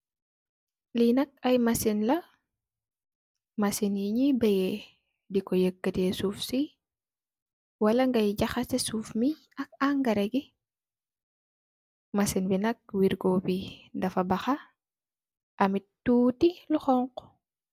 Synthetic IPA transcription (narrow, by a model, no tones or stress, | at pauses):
linɐk̚ɐjmasinlɐ | mɐsinjiɲibɐje | dikɔjəkːətesuːfsi | wɐlɐŋɡɐjɟɐxɐtɛsuːfmi | ɐk̚aŋɡɐɾɛɡi | mɐsinbinɐk̚wiɾɡɔpidɐfɐbɐxɐ | ʔɐmitːuːtiluxɔŋqɔ̥